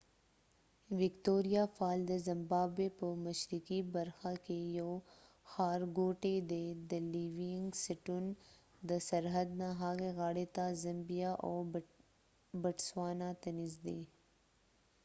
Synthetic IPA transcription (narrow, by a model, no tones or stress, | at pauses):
ʋɪkt̪oːɾijafaːld̪əzɐmbaːbepəmɐʃɾikibɐɾxakejo | xaːɾɡoːʈed̪ed̪ɐliːʋiɪ̃ŋɡsɪʈun | d̪əsɐɾɦəd̪̚nãɦaːɡeɣaːɽet̪azɐmbijaʔoː | bɐʈswaːnat̪ɐnizd̪eː